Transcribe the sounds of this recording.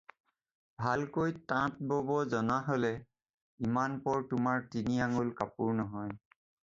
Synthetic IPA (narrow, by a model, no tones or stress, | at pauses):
bʱalkojtãt̚bobɔzɔnaɦolɛ | imanpɔɹtʊmaɹtiniaŋulkapuɹnɔɦɔj